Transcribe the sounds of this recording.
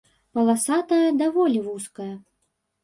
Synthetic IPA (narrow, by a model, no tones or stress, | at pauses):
pɐlˠasat̪ɐjɐd̪avɔlʲivuskɐjɐ